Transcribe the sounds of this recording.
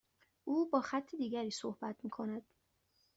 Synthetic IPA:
ʔuːbɒːxæt̪ʰːed̪iːɟæɾiːsohbæt̪ʰmiːkʰo̞næd̪̥

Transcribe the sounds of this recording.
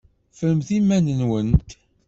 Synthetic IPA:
fəɾəmθimːænənwənt̪

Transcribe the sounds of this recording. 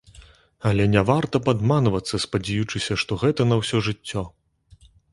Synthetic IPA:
ɐlʲɛnʲɛvart̪ɐpad̪manvɐt̪sːɐspɐd͡zʲɛjut͡ʂɨsʲɐʂt̪ɔɣɛt̪ɐnɐwsʲɔʐɨt͡sʲːɔ

